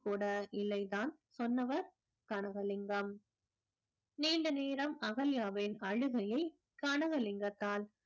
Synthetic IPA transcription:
kuːɽɐʔɪlːɐɪt̪aːn | sɔnːɐʋɐɾ | kɐɳɐɣɐlɪŋɡɐm | niːnɖɐneːɾɐmɐɣɐljaːʋɪnɐɻɯɣɐjɐɪ | kɐɳɐɣɐlɪŋɡɐt̪ːaːl

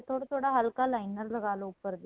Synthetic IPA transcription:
t̪ːoːɽɐt̪oːɽɐɦɐlkaːlɐɪnːɐɾlɐkaːlɐ̃ʊpːɐɾɐðɯ

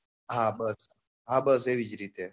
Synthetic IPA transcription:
ɦãbəs | ɦãbəs̬ɦeʋid͡ʒɾit̪e

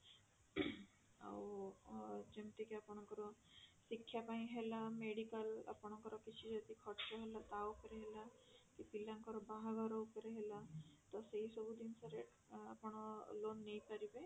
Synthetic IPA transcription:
a̰w | d͡ʒemt̪ikeapɔɽ̃ɔŋkɔɾɔsikʰːjapaĩɦelameɽikəla̰pɔɽ̃ɔŋkɔɾɔkit͡ʃʰid͡ʒɔd̪ikʰɔʈt͡ʃɔɦelat̪aupɔɾeɦelakipilaŋkɔɾɔbaɦaɡaɾɔupɔɾeɦelat̪ɔseɦisɔbud̪insaɾe | apɔɽ̃ɔlonːejpaɾibe

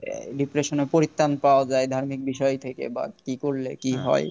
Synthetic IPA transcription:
ɖipɾeʃonepoɾit̪ːanpaoad͡ʑaed̪ʱaɾmik̚biʃɔjt̪ʰekḛba̰kikoɾlekiɦɔ̰e

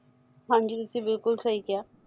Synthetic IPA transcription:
ɦãɳd͡ʒit̪ɪsibɪlkʊlsɐɦikɪjaː

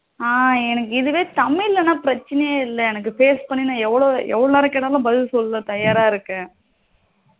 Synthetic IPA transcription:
aːɛnɐk̬ːɯɪðɯʋeːt̪ɐmɪɪlːɐnːaːpɪɾɐt͡ʃːɐnɐjɐɪlːɐɛnɐk̬ːɯfeːspɐɳːinãːɛʋːɐɭoːɛ̰ʋːɐɽolaːɾɐkeːɽɐːlãbɐðɪʋsɔlːɐlɐ̃t̪ɐjaːɾaːɪɾɯkːɛ̃ː

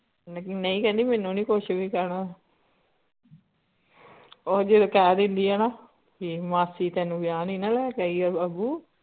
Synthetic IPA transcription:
nnəĩːkɛ̃ːnd̪iːmɛ̃ːnũːnĩːkoʃbiːkəɾnaː | oːɾd͡ʒeːd̪okɛːd̪ɪnd̪iːɛːnaː | kimaːsiːt̪ɛːnũːɡɪjaːniːnaːlɛːkɛːiːɡaɾbaːbuː

